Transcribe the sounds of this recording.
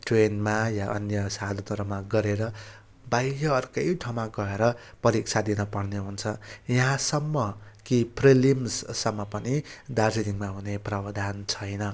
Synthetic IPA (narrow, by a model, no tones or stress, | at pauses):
ʈrenmajaʔʌ̰njʌsad̪ʱʌnʌɾʌmaɡʌɾeɾʌ | bajjʌʌrkʌjʈʰawmaɡʌeɾʌpʌɾik̚t͡sʰad̪inʌpʌɽneɦunt͡sʰʌjʌɦãsʌmːʌkipʰrelimssʌmːʌpʌnid̪arsiniŋmaɦuneprʌbʌd̪ʱant͡sʰʌjnʌ